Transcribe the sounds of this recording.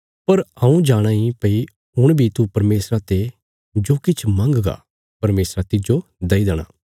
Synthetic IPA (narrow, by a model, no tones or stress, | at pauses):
pɐɾɐũd͡ʒaːɽ̃ãːipɐi | ɦʊɽ̃bʱit̪upɐɾmeːsɾãt̪e | d͡ʒoːkɪt͡ʃʰmɐ̃ŋɡɡa̰ː | pɐɾmeːsɾat̪ɪd͡ʒod̪ɐid̪ɐɽ̃ã̰ː